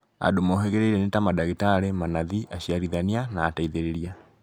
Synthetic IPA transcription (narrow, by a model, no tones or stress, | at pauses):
a̰domɔɦeɣeɾeiɾenetamadaɣitaɾemanaðiʔaɕiaɾiðanianaːtaiðeɾeɾia